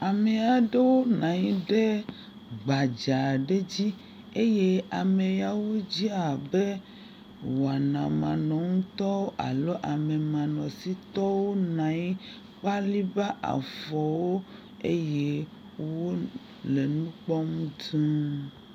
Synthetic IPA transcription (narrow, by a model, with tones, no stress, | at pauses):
a˨me˨a˨ɖe˦wo˦nã˨ɲĩ˦ɖe˦ | ɡ͡ba˨d͡ʒa˨ɖe˦d͡ʑi˦ | e˦je˦a˨mẽ˨ja˨wo˦d͡ʑi˦a˨be˦ | wa˨nã˨mã̰˨nɔ̃˨ŋũ˦t̪ɔ˦wo˦ʔa̰˨lo˦ʔa˨me˨mã˨nɔ̃˨si˦t̪ɔ˦wo˦nã˨˦ɲĩ˦ | k͡pa˦li˦ba˦ʔa̰˨fɔ˨wo˦ | e˦je˦ | wwo˦ | le˨nũ˦k͡pɔ˦mũ˦t̪ũ˦